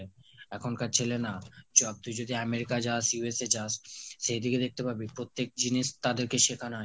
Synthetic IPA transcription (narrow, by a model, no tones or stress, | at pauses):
eɛkʰonkaɾt͡ɕʰelenad͡ʑɔb̚t̪ud͡ʑod̪ʱiameɾikad͡ʑaʃjuesed͡ʑaʃːejd̪ʱiɡed̪ek̚ʰt̪epabipɾot̪ːek̚d͡ʑiniʃt̪ad̪eɾkeʃekʰana